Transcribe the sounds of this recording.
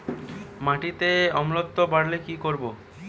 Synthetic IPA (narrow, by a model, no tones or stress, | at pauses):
maʈit̪eɔmlot̪ːobaɽlekikoɾbo